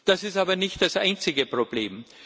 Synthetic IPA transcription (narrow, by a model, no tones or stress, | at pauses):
d̥asɪstaːbɐnɪçt̚d̥asʔa̰ɪnt͡sɪɡəpʁoblḛːm